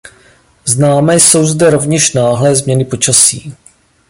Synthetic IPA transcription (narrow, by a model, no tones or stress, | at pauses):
znaːmɛːso̞wzdɛɾo̞vɲɛʃnaːɦlɛːzmɲɛnɪpo̞t͡ʃasḭː